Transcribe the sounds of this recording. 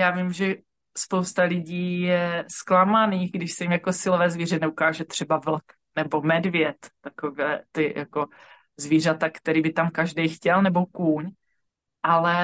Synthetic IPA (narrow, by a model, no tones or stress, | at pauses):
jaːvimʒɛ | spowst̪alɪɟiːjɛsklamaniːxɡdɪʃsɛjimjako̞sɪlovɛːzviːrɛnɛukaːʒɛt̪r̝̥ɛbavl̩k | nɛbo̞mɛdvjɛt̪ːakovɛːt̪ɪja̰ko̞ | zviːr̝at̪akt̪ɛɾiːbɪt̪amkaʒdɛjxcɛlnɛbo̞kuːɲ | ʔalɛ